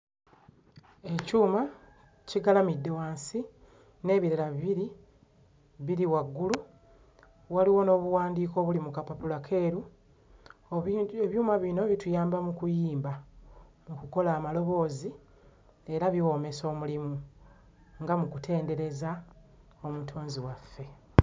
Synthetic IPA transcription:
e̞cuːma | ciɡalamidːowaːnsi | ne̞ːβiɾeɾaβiβiɾi | βiɾiwaɡːulu | waliwo̞no̞ːβuwaːndiːko̞βulimukapapulakʰe̞ːɾu | eβjuːmaβino̞βitujaːmbamukujiːmbamukuko̞laːmalo̞βo̞ːzi | e̞ɾaβiwo̞ːme̞so̞ːmulimu | ŋɡamukutʰe̞ːnde̞ɾe̞za | o̞mutʰoːnziwafːe̞

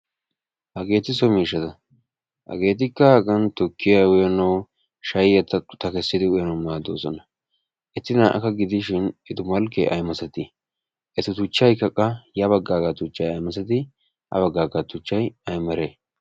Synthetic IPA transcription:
hɐɡe̞ːt̪ɪs̬ɔmiːʃːɐt̪ɐ | hɐ̰ɡe̞ːt̪̬ɪkːɐhɐɡɐnt̪ɔkːɪjawʊjɐnɐw | ʃɐjjɐt̪ːɐʊt̪ɐkɛsːɪd̪ɪʊjɐnɐwnaːd̪oːsɔnɐ | ʔɛt̪ːɪnaːʔɐ̰kɐɡɪd̪ɪʃɪnɛt̪ʊmɐlkːḛʔɐ̰jmɐsɐt̪ɪ | ʔɛt̪ʊt̪ʊt͡ʃːɐjkɐkʼːɐjɐβɐɡːaːɡɐt̪ʊt͡ʃːɐjɐjmɐsɐt̪̬ɪ | hɐ̰βɐɡːaːɡɐt̪ʊt͡ʃːɐjɐjmɐɾeː

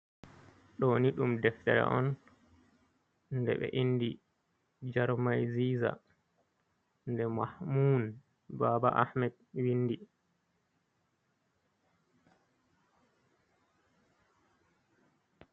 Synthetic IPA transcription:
ɗɔniɗumdɛftɛ̰ɾɛ̰ʔɔn | ndɛ̰ɓɛ̰ʔindi | d͡ʒaɾmajziːza̰ | ndɛmahmuːn | baːbaʔa̰hmɛd | winːdi

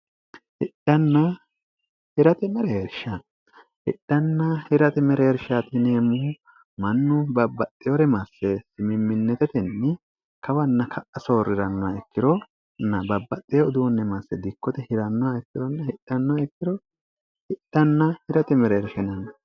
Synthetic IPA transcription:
hɪᶑɐnːɐ | hɪɾɐt̪ɛmɛɾɛɛɾʃɐ | hɪ̰ᶑːɐnːɐhɪɾɐt̪ɛmɛɾɛhɛɾʃat̪ɪneːmʊ | mɐnːʊbɐbːɐt̪ʼːɪjoɾɛmɐsːɛsɪmɪmːɪnːɛt̪ɛt̪ɛnːɪ | kɐwɐnːɐkʰɐʔɐsoːɾːɪɾɐnːɔwaɛkːɪɾɔ | nːɐbɐbːɐt̪ʼːɪjɔːd̪unːɛmɐsːɛd̪ɪkːɔt̪ɛhɪɾɐnːɔaɛkːɪɾɔnːɐhɪᶑɐnːɔwaɛkːɪɾɔ | hɪɗːɐnːɐhɪɾɐt̪ɛmɛɾɛɾʃɛnɐn

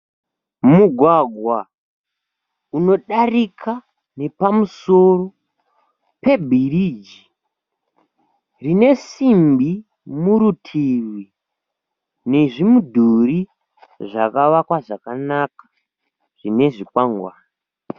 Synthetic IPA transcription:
muɡʱwaɡʱwa | uno̞ɗarikʰa | ne̞pamuso̞ro̞ | pe̞bʱirid͡ʒi | rine̞simbi | muɾutʰiri | ne̞ʐimudʱuri | ʐakaʋakwaʐakanakḁ | ʐ̥ine̞ʐikwaŋɡwaːnii

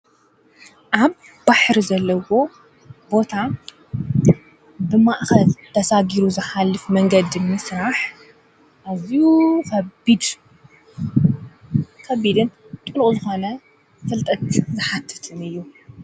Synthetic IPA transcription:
ʔaβː | aħɾizɐlːɐwo̞ | bo̞t̪ʰa | bɨmaʔxɐlt̪ʰɐsaɡiɾuzɨħalːɨfmɐŋɡɐd̪imɨsɾaħ | ʔazijukɐbid̪ | kʰɐβid̪ɨn | t̪ʼɨlχʼuzɨxo̞nɐ | fɨlt̪ʼɐt̪zɨħat̪ʰːɨ̥t̪ʰɨnɨjːu

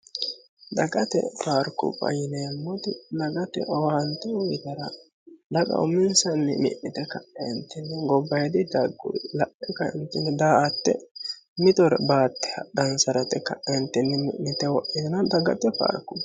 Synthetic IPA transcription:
d̪ɐɡɐt̪ɛ̰faːɾkʊ̰bɐ̰jɪnɛjɐmːɔt̪ɪlɐɡɐt̪ɛ̰ʔɔwant̪ɛwɔjɪd̪ɐɾɐ | lɐɡʼɐ̰wʊmɪnsɐnːɪmɪ̰ʔːɪt̪ɛkɐʔːɛnt̪ːɛnːɛɡɔbːɐjɛd̪ɪd̪ɐɡːʊ̰lɐʔɛkɐɪ̰nt̪ːʊnɛd̪aːʔɐt̪ːɛ̰mɪt̪ɔɾɛbaːt̪ːɛ̥hɐɗɐnsɐɾɐt̪ɛkːɐʔɛnt̪ːɛnːɪmɪʔːɪt̪ɛwɔʔːɪnɐd̪ɐɡɐ̰t̪ɛfa̰ːɾkʊb

